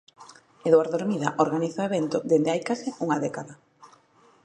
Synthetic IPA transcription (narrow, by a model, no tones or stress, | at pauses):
eðwaɾðoɾmiðaʔoɾɣaniθaeβent̪ʊðend̪eajkasɪuŋaðɛkaða